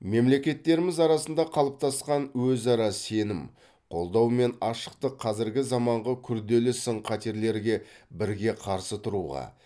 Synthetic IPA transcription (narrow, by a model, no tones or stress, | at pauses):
me̞mle̞kʲe̞t̪ːe̞ɾɪmɪzɑɾɑsənd̪ɑqʰɑlˠəp̚t̪ɑsqɑnwɵzɑɾɑse̞nɪm | qʰo̞lˠd̪ɑwme̞nɑʃə̥q̚t̪əqʰːɑzɪɾɡʲɪzɑmɑɴʁɑkʲʰʏɾd̪e̞lɪsəɴqʰɑt̪eɾle̞ɾɡʲe̞bɪɾɡʲe̞qʰɑɾsət̪ʰʊɾuʁɑ̰